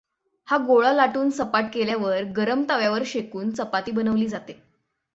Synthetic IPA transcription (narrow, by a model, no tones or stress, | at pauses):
haɡoɭalaʈuːnsəpaʈ̚keljaʋəɾɡəɾəmt̪aʋjaʋəɾɕekuːnsəpat̪iːbənəʋliːd͡zat̪e